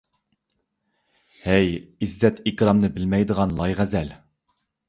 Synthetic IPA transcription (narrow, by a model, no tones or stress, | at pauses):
hæjɪzːɛt̪ikʲɾɑmnɨbɪlmɛjd̪əʁɑnlˠɑjʁæzɛl